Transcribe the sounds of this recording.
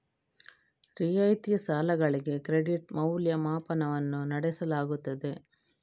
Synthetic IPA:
ɾijɐjt̪ijɐsaːlɐɡɐɭiɡe̞kɾeɽiʈmɐwljɐmaːpɐnɐʋɐnːunɐɽɛsɐlaːɡut̪ːɐd̪e̞

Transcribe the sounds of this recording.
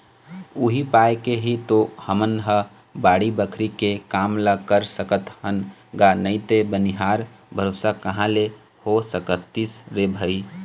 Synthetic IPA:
uɦipajkeɦit̪ohəmənɦə | baɽibəkʰɾikekamləkəɾsəkət̪hənɡanəɪt̪ebəniɦaɾ | bʱəɾosakəɦãle | hosəkətt̪ːisɾebʱəi

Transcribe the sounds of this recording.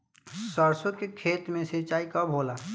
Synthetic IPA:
səɾsõkekʰeːt̪mẽset͡ʃaːikabʱoːlaː

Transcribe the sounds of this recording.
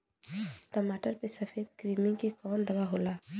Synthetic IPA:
ʈəmaːʈəɾpesəpʰeːd̪̚kɾimĩŋkekɔːnd̪əbaɦola

